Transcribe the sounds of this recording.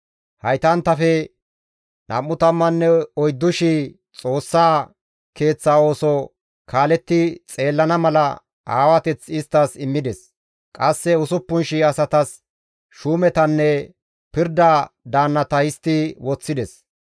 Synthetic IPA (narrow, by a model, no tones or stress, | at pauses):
hɐjt̪ɐnt̪ːɐfɛ | nɐ̰mːʊt̪ɐmːɐnːɛɔjd̪ːʊʃɪ | t͡sʼo̞ːsːaː | ke̞ːt͡sːaːo̞ːsɔ | kʰaːlɛt̪ːɪt͡sʼe̞ːlːɐnɐmɐlɐ̰ | a̰ːwɐt̪ɛt͡sɪst̪ːɐsɪmːɪd̪ɛs | kʼɐsːɛʊsʊpːʊnʃɪɐsɐt̪ɐs | ʃuːmɛt̪ɐnːɛ | pɪɾd̪ad̪aːnːɐt̪ɐhɪst̪ːɪwɔt͡sːɪd̪ɛs